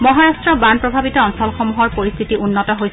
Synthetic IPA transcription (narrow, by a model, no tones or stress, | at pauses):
mɔɦaɹastɹɔbanpɹɔbʱabitɔɔnsɔlxomuɦɔɹpoɹist̪ʰitiʔunːɔtɔɦojs